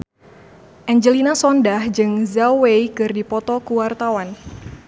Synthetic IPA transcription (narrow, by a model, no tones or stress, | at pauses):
ʔɛɲd͡ʒəlinasɔndahd͡ʒɨŋzawejkɨrdipɔt̪ɔkuwart̪awan